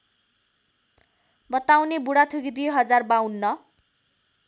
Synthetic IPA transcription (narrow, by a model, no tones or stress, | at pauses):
bʌt̪awnebuɽat̪ʰuɡid̪ijɦʌd͡zarbawnːʌ